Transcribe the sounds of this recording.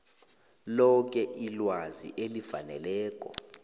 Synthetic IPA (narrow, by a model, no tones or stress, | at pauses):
lɔk̬ɛʔilwazḭʔelifanɛlɛːk̬ʼɔ̰